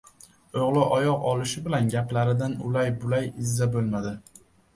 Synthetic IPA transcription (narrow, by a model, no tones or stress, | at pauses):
oʁlˠɪʔɒjɒqɒlɪʃɪbɪlanɡʲaplaɾɪd̪anʊlajbʊlajɪzːabolˠmad̪ɪ